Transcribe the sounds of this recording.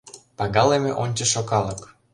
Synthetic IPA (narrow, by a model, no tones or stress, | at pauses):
pɑɣɑlemeʔonʲt͡ɕĕʃokɑlɤk